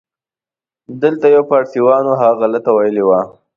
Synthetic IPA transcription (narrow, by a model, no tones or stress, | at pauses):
d̪əlt̪ajawpɑʈsiwɑnoɦaɣalət̪awajəliwa